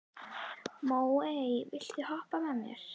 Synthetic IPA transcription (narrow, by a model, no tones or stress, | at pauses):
moːwejvɪl̥t̪ɪhɔhpaðanjɛ̰ɾ̥